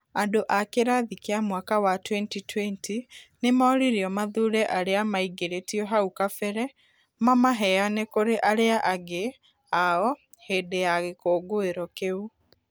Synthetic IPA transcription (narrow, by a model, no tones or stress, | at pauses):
andoʔakeɾaðikeamwakawatwɛntitwɛntinemaːɾiɾiɔmaðuɾɛʔaɾeamaiɡeɾetiɔɦaukafɛɾɛ | mamaɦɛanekoɾeʔaɾeaʔaɡe | aɔ | heːdejaɣekoːɡoeɾɔkeu